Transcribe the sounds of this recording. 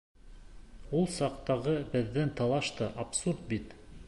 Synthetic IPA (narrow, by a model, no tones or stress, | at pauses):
ulˠsɑqt̪ɑʁɤbɘ̆ðːɘnt̪ɑlˠɑʃt̪ɤʔapsuɾt̪̚bit̪